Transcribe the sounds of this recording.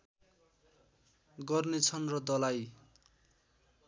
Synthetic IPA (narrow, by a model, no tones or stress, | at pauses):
ɡʌrnet͡sʰʌnrʌd̪ʌlaj